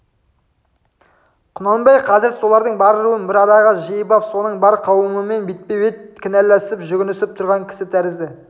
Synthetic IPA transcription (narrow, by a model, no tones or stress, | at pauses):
qʰʊnɑlˠbɑjqʰɑzɪɾso̞lˠɑɾd̪əɴbɑɾlˠuənbɪɾɑɾɑʁɑʒijəbɑpso̞nəɴbɑɾqʰɑwəməme̞nbet̪̚pebet̪̚kʲʰɪnælːæsɪpʒʏɡʲɪnʏsɪp̚t̪ʰʊɾʁɑŋkʲʰɪ̥sɪt̪ʰæɾɪzd̪ɪ